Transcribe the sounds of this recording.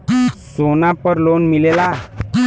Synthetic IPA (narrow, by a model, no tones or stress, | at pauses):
sonapəɾlonmilela